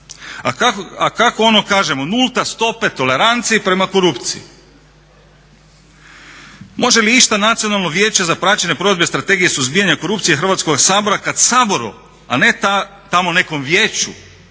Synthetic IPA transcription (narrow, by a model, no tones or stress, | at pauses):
aakako̞o̞no̞kaːʒe̞monulˠt̪ast̪o̞pe̞t̪o̞le̞ɾant̪siipɾe̞mako̞ɾupt̪sii | mo̞ʒe̞liiʃt̪anat̪sijo̞nalˠno̞ʋje̞ːt͡ɕezapɾaːt͡ɕeɲe̞pɾo̞d̪be̞st̪ɾat̪e̞ɡije̞suzbiːjaɲako̞ɾupt̪sijexr̩ʋaːt̪sko̞ɡsaːbo̞ɾakad̪saːbo̞ɾṵ | ane̞t̪a | t̪amo̞ne̞ko̞mʋje̞ːt͡ɕṵ